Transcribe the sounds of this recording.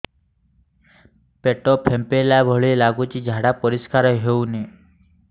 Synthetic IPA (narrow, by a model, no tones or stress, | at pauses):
peʈopʰempelabʱɔɭilaɡut͡ʃid͡ʒʱaɽapɔɾiskaɾɔɦeune